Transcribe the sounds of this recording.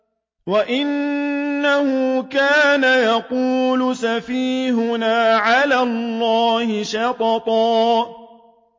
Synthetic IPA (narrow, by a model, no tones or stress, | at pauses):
waʔɪnː | ahʊkaːnajaquːlʊsafiːɦʊnaːʕalaːllːɑːhɪʃɑqɑt̪ˤɑː